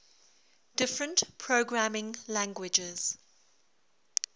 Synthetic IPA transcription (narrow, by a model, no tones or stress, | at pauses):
d̥ɪfɹə̃ntpʰɹoʊɡɹamɪ̃ŋlæ̃ŋɡwɪd͡ʒɪz̥